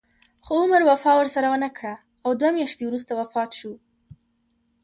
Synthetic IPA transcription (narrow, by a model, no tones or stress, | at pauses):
xoʊmɾwafɑwəɾsaɾawənakɽa | awd̪wamjɑʃt̪ewɾus̬t̪awafɑt̪ʃu